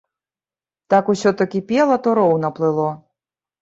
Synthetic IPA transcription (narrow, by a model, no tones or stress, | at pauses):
t̪akusʲɔt̪ɔkʲipʲɛlˠɐt̪ɔɾɔwnɐplˠɨlˠɔ